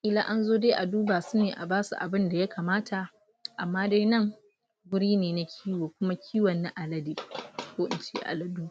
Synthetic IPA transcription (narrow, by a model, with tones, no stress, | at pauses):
ʔɪ˦la˦ʔa˦nzoː˦deː˦ʔa˨duː˦baː˨su˦neː˨ʔa̰˨baː˦sṵ˨ʔa̰˨bɪ˦nda˨ja˦kʰaː˨maː˦tʰa˨ʔ | ʔa˨mːaː˦da˦jnɐ˦˨ŋ | wʊ˦ɽiː˦neː˨na˦kʲʰiː˦woː˨kʷʊ˦ma˦kʲʰiː˦wɐ˨nːa˦ʔa˨lɐ˦deː˨kʷoː˦ʔɪ̰˨nt͡ʃḛː˦ʔa̰˨lɐ˦duː˦